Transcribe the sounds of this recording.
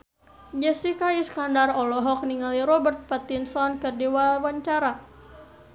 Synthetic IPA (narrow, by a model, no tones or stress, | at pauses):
d͡ʒɛsikaiskandarɔlɔɦɔk̚niŋaliɾɔbərt̪̚pat̪insɔnkərdiwawaɲt͡ʃaɾa